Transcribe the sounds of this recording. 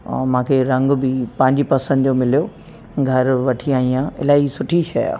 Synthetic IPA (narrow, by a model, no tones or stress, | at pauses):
mãːkʰeɾɐ̃ŋɡbɪpɐ̃ɦɪ̃ɲd͡ʑipɐsə̃nd̪d͡ʑomɪlijoː | ɡʱɐɾʋɐʈʰiaːɦĩãːɪ̰laːisʊʈʰiʃɐ̰ja̰ː